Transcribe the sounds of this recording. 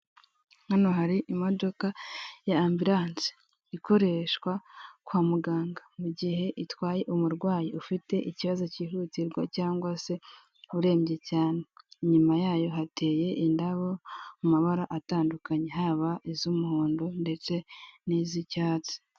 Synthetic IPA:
hano̞ɦaɾiʔimo̞do̞kajaːmbiɾaːnsi̥ | iko̞ɾe̞ʃwakwaːmuɡaːŋɡamuɟiɦe̞ʔitwaːje̞ʔumuɾɡwaːjiufite̞ʔiciβazo̞ciːɦutiɾɡwacaːŋɡwase̞ | uɾe̞ːmɟe̞caːne̞ɲumajaːjo̞ɦate̞ːje̞ʔindaβomumaβaɾaʔataːndukaɲe̞ɦaβaʔizumuhoːndonde̞t͡se̞nizicaːt͡si̥

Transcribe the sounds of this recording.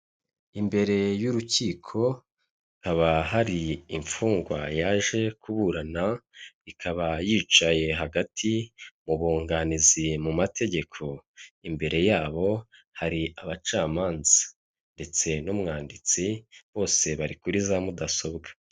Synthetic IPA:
imbe̞ɾe̞juɾuciːkʰo̞ | kaβaɦaɾiiɱfuːŋɡwajaːʒe̞kuβuɾanaβikʰaβajiːt͡ʃaje̞ɦaɡatʰimuβoːŋɡanizimumatʰe̞ɟe̞kʰo̞imbe̞ɾe̞jaːβo̞ | haɾiaβat͡ʃaːmaːnzḁ | nde̞t͡se̞numŋaːndit͡siβo̞ːse̞βaɾikuɾizamudaso̞βɡḁ

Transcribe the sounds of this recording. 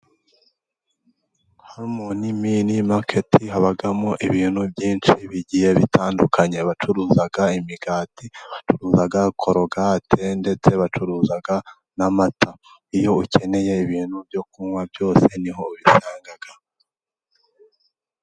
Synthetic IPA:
haɾmoniminimakʰetʰiɦaβaɡamoʔiβiːnhubɟiːnt͡ʃiβiɟijeβitaːndukʰaɲe̞βat͡ʃuɾuːzaɡaimiɡaːtiβat͡ʃuɾuːzaɡakʰoɾoɡaːtʰe̞nde̞t͡se̞βat͡ʃuɾuːzaɡa | namatʰa | ijo̞ucʰe̞ne̞je̞iβiːn̤̥hubjokumwabjo̞ːse̞niɦo̞βisaːŋɡaɡ̥a

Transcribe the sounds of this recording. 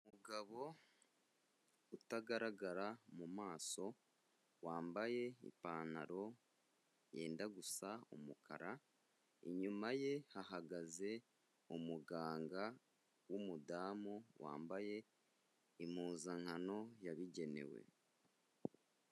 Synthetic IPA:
umuɡaβo̞ | utaɡaɾaɡaɾamumaːso̞ | waːmbaje̞ḭpaːna̰ɾo̞ | je̞ːndaɡusaṵmukʰa̰ɾa | ḭɲumaje̞haɦaɡaze̞ | umuɡaːŋɡa | wumudaːmowa̰ːmbaje̞ | imuːzaŋhano̞jaβiɟe̞ne̞̰we̞̰

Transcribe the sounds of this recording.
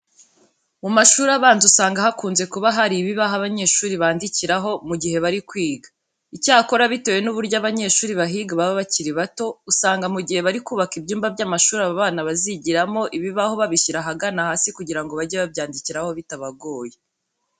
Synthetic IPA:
mumaʃuːɾaβaːnzusaːŋɡahakuːnze̞kuβaɦaɾiβiβaɦaβaɲe̞ːʃuːɾiβaːndiciɾaɦo̞muɟihe̞βaɾikwiːɡa | icaːko̞ɾaβite̞je̞nuβuɾɟaβaɲe̞ːʃuːɾiβaɦiːɡaβaβaβaciɾiβato̞usaːŋɡamuɟihe̞βaɾikuːβakibjuːmbabɟaːmaʃuːɾaβaβaːnaβaziɟiɾamo̞ʔiβiβaho̞βaβiçiɾaɦaɡanahaːsikuɟiɾaŋɡo̞βaɟeβabjaːndiciɾaho̞βitaβaɡo̞ːje

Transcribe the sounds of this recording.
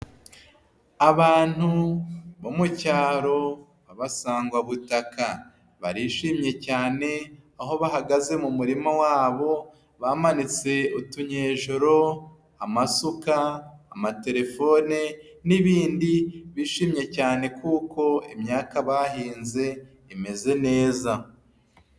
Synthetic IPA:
aβaːn̥huβomucaːɾo̞ | aβasaːŋɡwaβutakʰa | βa̰ɾiːʃiːmɲe̞caːne̞aɦo̞βaɦaɡaze̞mumuɾimawaːβo̞ | βaːmanit͡se̞utuɲeːʒoɾo̞ | amasukaːmate̞ɾe̞fo̞ːne | niβiːndiβiːʃiːmɲe̞caːne̞kuːko̞imɲaːkaβaɦiːnze̞ | ime̞ze̞ne̞ːza

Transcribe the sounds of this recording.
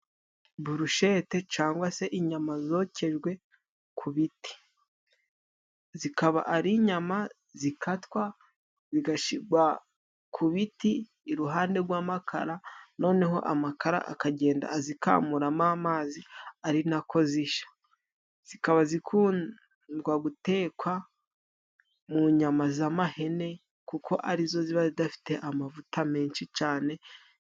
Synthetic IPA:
buɾuʃe̞te̞t͡ʃaːŋɡwase̞ʔiɲamazo̞ce̞ʒɡwe̞ | kʰuβiti̥ | zikaβa̰ʔaɾiɲama | zikatwa | ziɡaʃiɡwa | kʰuβitiː | ɾuɦaːnde̞ɾɡwaːmakʰa̰ɾano̞ːne̞ɦo̞̰ʔa̰makaɾa̰ʔa̰kaɟe̞ːnda̰ːzika̰ːmuɾamaːmaːziaɾinakʰo̞ziʃḁ | z̥ikaβazikʰuːn | dɡwaɡute̞ːkwa | muɲamazamahe̞ne̞ | kukʰo̞ʔaɾizo̞ziβazidafi̥te̞ʔamavutame̞ːnʃit͡ʃaːne̞

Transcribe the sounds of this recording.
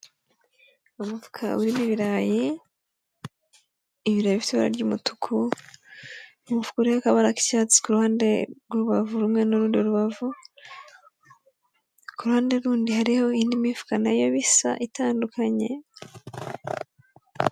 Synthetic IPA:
umutu̥kʰa̰βuɾimiβiɾaji | βiɾajβifituβaɾa̰ɾɟuːmutu̥kʰu | umufu̥kuɾehakaβaɾaki̥caːt͡si̥kuɾuhaːndeɡoɾuβavuɾumŋe̞noɾuːndioɾuβavu | kuɾuhaːnde̞ɾuːndihaɾiho̞iːndimivu̥kanajo̞βisa̰ʔitaːndukʰaɲe̞̰

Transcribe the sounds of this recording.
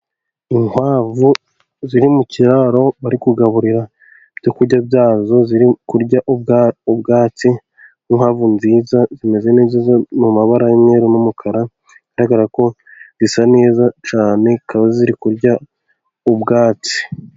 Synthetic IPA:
iŋwaːvu | ziɾimuciɾaɾo̞βaɾikuɡaβuɾiɾa | b̥ɟokuɾɟabjaːzo̞ziɾikuɾɟaʔuɡubɡaːt͡si | iŋhwaːvunziːzazime̞ze̞neːziːzanmumaβaɾajemɲeɾonumukʰaɾa | iɡ̥aɾaɡaɾako̞ | zisane̞ːzat͡ʃaːne̞kaβaziɾikuɾɟa | ubɡaːt͡si̥

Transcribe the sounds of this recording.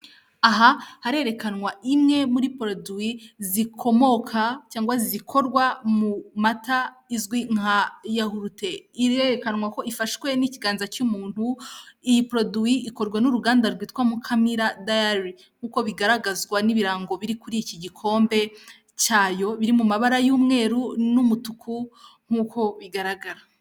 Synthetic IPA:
aɦahaɾe̞ɾe̞kanŋwaʔimŋe̞muɾipɾoduizikʰo̞mo̞kʰat͡ʃaːŋɡwazizikʰo̞ɾɡwamumata | izɡwiŋ̥ajahuɾute̞iɾeɾekanŋwako̞ʔifaʃwe̞niciɡaːnzat͡ʃumuːn̥huijipɾo̞duiiko̞ɾɡwanuɾuɡaːndaɾɡwiːtwamukʰamiɾadaaɾi | ŋ̥huːko̞βiɡaɾaɡazɡwaniβiɾaːŋɡo̞βiɾikuɾiciɟikʰo̞ːmbe̞ | t͡ʃaːjo̞βiɾimumaβaɾajuːmŋe̞ːɾunumutukʰuŋ̥huːkʰo̞βiɡaɾaɡaɾa

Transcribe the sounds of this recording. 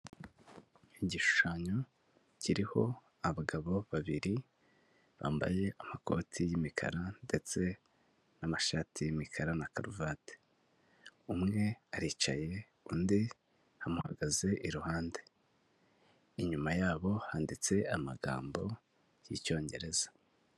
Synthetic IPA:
iɟiʃu̥ʃaɲo̞ | ciɾiho̞ | aβaɡaβo̞βaβiɾi | βa̰ːmba̰je̞amako̞̰tʰijimikʰa̰ɾande̞t͡se̞ | namaʃaːtʰijimikʰaɾanakaɾuvaːte̥ | umŋe̞aɾiːt͡ʃa̰je̞ | undi | hamuha̰ɡaze̞ʔiɾuhaːnde̞ | iɲumajaːβo̞haːndit͡se̞ama̰ɡa̰ːmbo̞ | jḭco̞ːɲɟe̞̰ɾe̞zḁ

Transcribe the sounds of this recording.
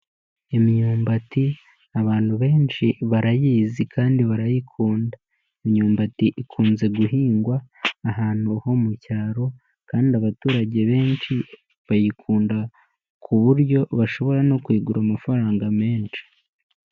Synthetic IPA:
emiɲuːmbati | aβaːn̥huβe̞ːnt͡ʃiβaɾajiːzikʰaːndiβaɾajikʰuːnda | emɲuːmbatiʔikʰuːnze̞ɡuɦiːŋɡwaːɦaːn̥huho̞mucaːɾo̞ | kaːndiaβatuːɾaɟe̞βe̞ːnʃi | βajikʰuːnda | kʰuβuɾɟo̞βaʃo̞βo̞ɾano̞kwiːɡuɾamafaɾaːŋɡame̞ːnt͡ʃi̥

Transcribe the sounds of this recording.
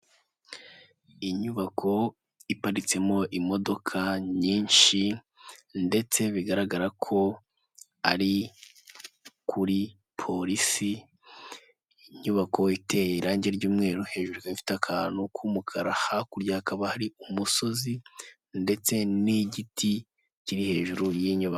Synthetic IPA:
iɲuβakʰo̞ | ipaɾit͡se̞mo̞ʔimo̞do̞kʰaɲiːɲʃi | nde̞t͡se̞βiɡaɾaɡaɾakʰo̞ | a̰ɾi | kʰuɾi | pʰo̞ɾisi | ɲuβakʰo̞ite̞jeɾaːɲɟe̞ɾɟuːmŋe̞ːɾuhe̞ːʒuɾikaifi̥takʰaːnukʰuːmukʰaɾahakuɾɟahakaβahaɾiumuso̞zi | nde̞t͡se̞niɟiti | ciɾihe̞ːʒuɾujiɲuβako

